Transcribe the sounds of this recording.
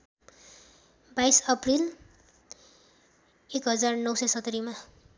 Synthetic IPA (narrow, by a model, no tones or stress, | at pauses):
bajsʌpril | ekɦʌd͡zarnʌwsʌjsʌt̪ːʌɾima